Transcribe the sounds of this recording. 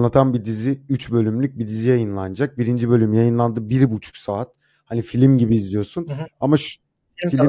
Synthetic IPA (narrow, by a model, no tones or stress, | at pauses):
lˠat̪ʰanbid̪iziyt͡ʃbø̞lʲymlʲyc̚bid̪izijajɯnlˠand͡ʒak̚biɾind͡ʒibø̞lʲymjajɯnlˠand̪ɯbiɾbut͡ʃʰu̥ksaːt̪̚ | hanifilʲimɟibiːzlijo̞sunamaʃ | filʲ